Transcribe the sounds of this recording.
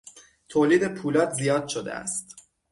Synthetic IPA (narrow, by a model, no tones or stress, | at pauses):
t̪ʰoːliːd̪e̞pʰuːlɒːd̪zijɒːd̪̥ʃod̪ḛæ̰st̪